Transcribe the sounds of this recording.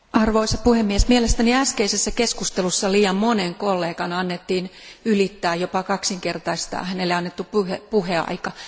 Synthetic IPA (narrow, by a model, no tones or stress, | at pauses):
ɑrʋoisɑpuhemːiesmielest̪æniæskeisesːækeskust̪elusːɑliːjɑmmoneŋkolːeːkɑnɑnːet̪ːiːnylit̪ːæːjjopɑkɑksiŋkert̪ɑist̪ɑ̰ːhænelːeɑnːet̪ːuppuhepuheɑ̰ikɑ